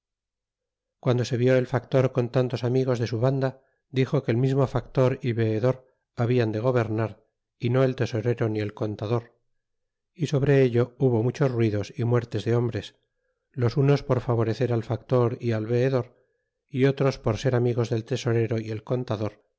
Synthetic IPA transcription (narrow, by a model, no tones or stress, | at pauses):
kwand̪o̞se̞βjo̞e̞lfakt̪o̞ɾko̞nt̪ant̪o̞samiɣ̞o̞zðe̞suβand̪a | d̪ixo̞ke̞ːlmizmo̞fakt̪o̞ɾiβe̞ːðo̞ɾ | aβiand̪e̞ɣ̞o̞βe̞ɾnaɾ | ino̞e̞lt̪e̞so̞ɾe̞ɾonie̞lko̞nt̪aðo̞ɾ | iso̞βɾe̞eʎo̞uβo̞mut͡ʃo̞zrwiðo̞simwe̞ɾt̪e̞zðe̞o̞mbɾe̞s | lo̞suno̞spo̞ɾfaβo̞ɾe̞θe̞ɾalfakt̪o̞ɾialβe̞ːðo̞ɾ | io̞t̪ɾo̞spoɾse̞ɾamiɣ̞o̞zðe̞lt̪e̞so̞ɾe̞ɾo̞ie̞lko̞nt̪aðo̞ɾ